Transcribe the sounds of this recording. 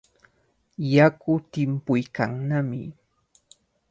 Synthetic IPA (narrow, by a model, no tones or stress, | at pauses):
jakʊt̪ɪmpʊjkaŋnamɪ̰